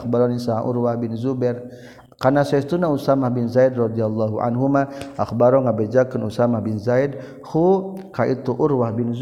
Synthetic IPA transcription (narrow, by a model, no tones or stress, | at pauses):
baɾɔnisaa̰ʔṵrwahbɪnzubɛr | kanasaist̪unausamahbɪnzaid̪rɔd̪ialːaɦuʔa̰nɦumaʔaxbaɾɔŋabed͡ʒakənusamahbɪnzaid̪̚ | hukaʔit̪uʔurwahbɪnz